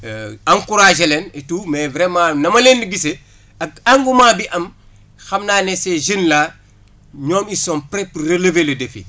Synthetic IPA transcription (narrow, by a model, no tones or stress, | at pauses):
aŋkuɾaːʒelenetuːmɛvɾemanɐmɐlendiɡise | ɐɡaŋɡumaːbiʔɐm | xɐmnaːneseʒinlaː | ɲɔːmisoːnpɾepuɾeleveledefḭ